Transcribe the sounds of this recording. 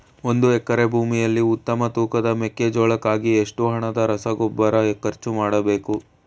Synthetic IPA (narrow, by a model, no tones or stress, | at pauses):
o̞nd̪uɛkːɐɾe̞bʱuːmijɐlːiut̪ːɐmɐt̪uːkɐd̪ɐmekːed͡ʒoːɭɐkːaːɡieʂʈuɦɐɳɐd̪ɐɾɐsɐɡɔbːɐɾɐkːɐɾt͡ʃumaːɽɐbe̞ːku